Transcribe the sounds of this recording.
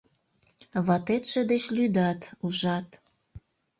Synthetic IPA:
βɑt̪et̪ʃĕd̪et͡ɕlyd̪ɑt̪uʒɑt̪

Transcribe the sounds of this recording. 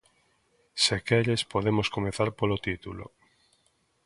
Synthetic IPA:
sekeʎespoðemoskomeθaɾpolot̪it̪ulo̰

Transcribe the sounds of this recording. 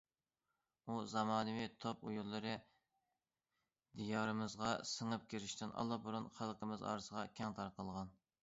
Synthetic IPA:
uzɑmɑːnɨwit̪ʰopujulˠːɨɾɨ | d̪ijɑːɾɨmɨzʁɑsəŋɨp̚kʲʰiɾɪʃt̪ɪnʔɑ̰lˠːɑbuɾunχɑlˠqʰəmɨzɑ̰ːɾɨsəʁɑkʲʰɛŋt̪ʰɑɾqʰəlˠʁɑn

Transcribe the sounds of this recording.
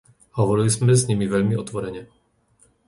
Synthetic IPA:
hɔʋɔɾilizmɛzɲimiʋɛʎmiɔt̪ʋɔɾɛɲɛ

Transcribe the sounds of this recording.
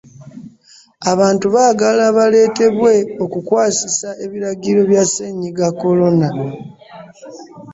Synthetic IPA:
aβaːntuβaːɡalaβale̞ːte̞βwe̞o̞kukwaːsisae̞βiɾaɡiɾo̞βjaseɲiɡakːo̞lo̞na

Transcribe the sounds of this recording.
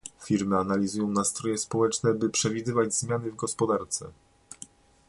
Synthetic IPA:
fʲiɾmɘanalʲizujɔ̃w̃nast̪ɾɔjɛspɔwɛt͡ʂnɛbɘpʂɛvʲid̪ɘvad͡ʑzmʲjanɘvɡɔspɔd̪aɾt̪sɛ̰

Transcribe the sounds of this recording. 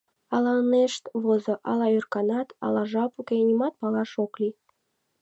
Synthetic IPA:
ɑlɑneʃt̪βozoʔɑ̰lɑørkɑnɑt̪ɑ̰lɑʒɑpukenʲimɑt̪̚pɑlɑʃoklʲi

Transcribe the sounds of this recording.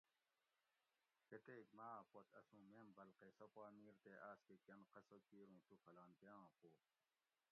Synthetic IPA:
ket̪eːk̚maːpot̪ʰɐ̰sũːmeːmbɐlqesopaːmiːɾt̪eʔaːskekɐnqɐsokiːɾũːt̪ufɐlaːnpeːwãːpoː

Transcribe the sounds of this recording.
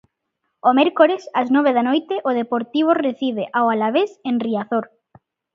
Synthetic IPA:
omeɾkoɾesaznɔβ̞eðanojt̪eʔoðepoɾt̪iβ̞oreθiβeʔawalaβesenriaθoɾ

